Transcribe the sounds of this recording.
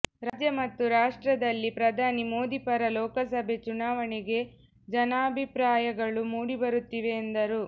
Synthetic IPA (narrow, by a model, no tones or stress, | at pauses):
ɾɐd͡ʒɐmɐt̪ːuɾaːʂʈɾɐd̪ɐlːipɾɐd̪ʱaːnimo̞ːd̪ipɐɾɐlɔːkɐsɐbʱe̞t͡ʃunaːʋɐɳɛɡe̞ | d͡ʒɐnaːbʱipɾaːjɐɡɐɭumuːɽibɐɾut̪ːiʋe̞ːnd̪ɐɾu